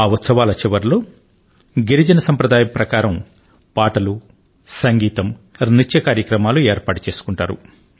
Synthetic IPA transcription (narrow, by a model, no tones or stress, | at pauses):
aut̪sɐʋaːlɐt͡ʃiʋɐɾlo̞ː | ɡiɾid͡ʒɐnɐsɐmpɾɐd̪aːjɐmpɾɐkaːɾɐm | paːʈɐlu | sɐŋɡiːt̪ɐmnit͡ʃjɐkaːɾjɐkɾɐmaːlueːɾpaːʈu̥t͡ʃe̞ːsu̥kuɳʈaːɾṵ